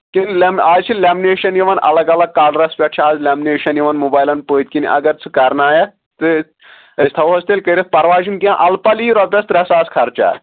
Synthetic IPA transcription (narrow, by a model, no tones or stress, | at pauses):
kinlɛmaːt͡ʃʰilʲɛːmineːʃɐnjiʋɐnɐ̰lɐɡɐlɐɡ̚kːaːɾɖɾɐspʲɐʈt͡ʃʰiaːzlʲaːmineːʃɐnjiʋɐnmubaːjlɐnpoːit̪̚ʲkiniʔɐ̰ɡɐɾt͡sʰɨkɐɾnaːjɐ | t̪ɨ | ɐst̪ʰɐʋɐst̪elʲkɐɾʲit̪̚pɐɾʋaːd͡ʒinkiãʔɐlpɐliːɾɐbʲɐst̪ɾɐsaːskʰɐɾt͡ʃa̰ː